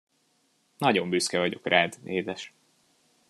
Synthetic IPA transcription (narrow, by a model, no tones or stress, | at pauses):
nɒɟo̞mbyskɛvɒɟo̞̰krʔaːd̪nʔeːd̪ɛʃ